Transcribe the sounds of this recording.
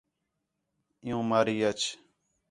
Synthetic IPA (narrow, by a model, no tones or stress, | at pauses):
ɪjũːmaːɾiːət͡ʃʰ